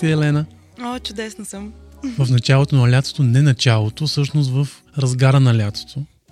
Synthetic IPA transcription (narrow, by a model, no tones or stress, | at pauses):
ɛɛlɛnə | ot͡ʃʊd̪ɛsnɐsəmvəfnɐt͡ʃalˠot̪onɐlʲat̪so̥t̪onɛnɐt͡ʃalˠot̪ofsɤʃnost̪vəf | ɾɐzɡaɾənɐlʲat̪so̥t̪ʰo